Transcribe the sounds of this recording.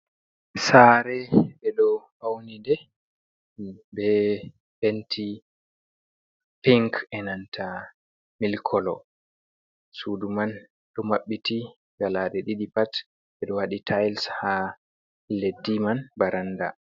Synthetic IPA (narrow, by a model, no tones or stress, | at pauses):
saːɾɛbɛɗɔhawnidɛ | bɛ | hentʰi | piŋkɛnantʰa | milkʰɔlɔ | suduman | ɗɔmaɓːiti | ɡalaɗɛɗiɗipat | ɓɛɗɔwaɗitʰajlsha | ledːimanbaɾanda